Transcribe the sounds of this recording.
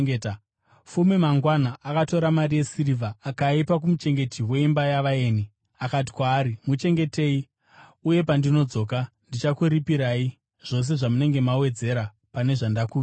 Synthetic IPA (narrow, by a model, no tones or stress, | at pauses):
ɡeta | fumimaŋɡwanaʔːkato̞ɾamarije̞sirivʱaːkaipak̬umut͡ʃe̞ŋɡe̞tiwe̞imbajaʋaeːni | akat̬i̥kwaːɾimut͡ʃe̞ŋɡe̞te̞i | uje̞pandino̞d͡zo̞ːka | ndit͡ʃakuɾipiɾaːi | ʐ̥o̞s̬e̞ʐamune̞ŋɡe̞mawe̞d͡ze̞ɾa | pane̞ʐandakuː